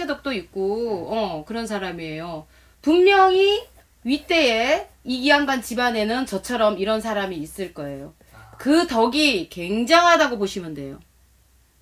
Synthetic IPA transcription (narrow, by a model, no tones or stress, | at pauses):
edʌk̚t͈oik̚k͈oʌkɯɾʌnsʰaɾamie̞jo | puŋmjʌŋi | ɥit͈e̞e | iɡianɡant͡ɕibane̞nɯnt͡ɕʌt͡ɕʰʌɾʌmiɾʌnsʰaɾamiːs͈ɯɭk͈ʌe̞jo | kɯtʌɡike̞ŋd͡ʑaŋɦadaɡoboɕʰimɯnde̞̰jo